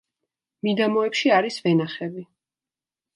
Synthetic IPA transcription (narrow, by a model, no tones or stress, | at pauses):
mid̪amɔɛpʃiaɾisvɛnaχɛbi